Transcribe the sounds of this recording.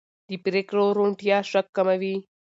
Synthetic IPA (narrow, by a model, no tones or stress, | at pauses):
d̪ipɾekɾoɾoɳʈijaʂɐkːɐmɐʋi